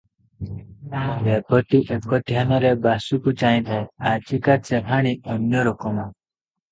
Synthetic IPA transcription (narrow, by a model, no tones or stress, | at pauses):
bebɔʈ̪iʔekɔd̪ʱjanɔɾebasukut͡ʃaĩd̪ʱaeaɾt͡ʃikat͡ʃepʰaɽ̃iɔnjɔɾokɔma